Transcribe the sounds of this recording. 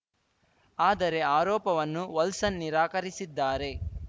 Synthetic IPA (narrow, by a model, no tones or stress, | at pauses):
aːd̪ɐɾe̞aːɾɔːpɐʋɐnːuʋɐlsɐnːiɾaːkɐɾisid̪ːaːɾe̞